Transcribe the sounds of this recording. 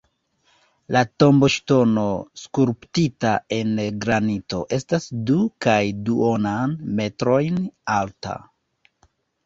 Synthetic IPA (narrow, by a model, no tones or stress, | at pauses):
lato̞mbo̞ʃto̞no̞skuɾptitae̞nɡɾanito̞̰ʔe̞stasdukajduonanme̞tɾo̞jnalta̰